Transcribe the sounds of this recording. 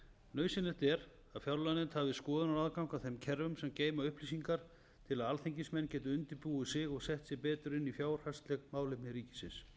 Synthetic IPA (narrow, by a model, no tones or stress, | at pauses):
nœːɥsɪnɪht̪ɛɾ | aðfjawɾlanɪnt̪havɪskɔːðʏnaɾaðkawŋkawθejmcʰɛɾvʏmsɛmceːjmaʏhplisiŋkaɾ̥ | t̪ʰɪlaðalθejɲcɪsmɛnːcɛːt̪ʏʏnt̪ɪpuʏsɪɣɔɣsɛht̪sjɪɣpɛːt̪ʏɾɪnːifjaːwr̥hast̪lɛɣmaːwlɪpnɪɾiːcɪsɪs